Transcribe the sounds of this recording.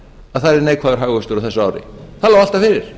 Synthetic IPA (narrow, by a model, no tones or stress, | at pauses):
aðθaðɾɛɾneːjkʰvaːðʏɾ̥ɦaːɣvʏst̪ʏɾawθɛsaaːwɾɪ̰θaðlaːwal̥t̪afɪːɾɪɾ̥